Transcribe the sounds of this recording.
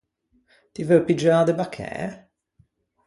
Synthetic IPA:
t̪ivɛpid͡ʒaːd̪ebakʰːɛ̰ː

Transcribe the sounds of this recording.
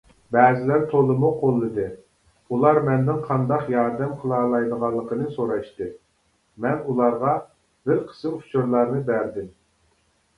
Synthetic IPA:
bæːzɪlæɾt̪ʰolˠːɨmuqʰolˠːɨd̪ɨ | ulˠɑɾmɛnd̪ɪŋqʰɑnd̪ɑqjɑɾd̪ɛmqʰəlˠɑːlˠɑjd̪əʁɑlˠːəqʰənɨsoɾɑʃt̪ɨ | mɛnulˠɑɾʁɑ | bɪɾqʰə̥sɨmft͡ʃʰuɾlˠɑɾnɨbæɾd̪ɪm

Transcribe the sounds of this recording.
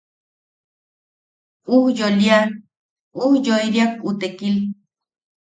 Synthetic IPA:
uhjolja | uhjojɾjakʼut̪ekil

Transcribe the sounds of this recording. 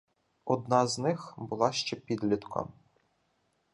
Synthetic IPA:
ɔd̪nɑznɪxbʊlˠɑʃt͡ʃɛpʲid̪lʲit̪kʰɔ̰m

